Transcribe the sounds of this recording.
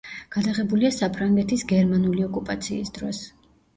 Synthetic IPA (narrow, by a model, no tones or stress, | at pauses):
ɡ̥ad̪aʁɛbuliasapʰɾaŋɡɛt̪ʰisɡɛɾmanuliɔkʼupʼat̪sʰiːsd̪ɾɔs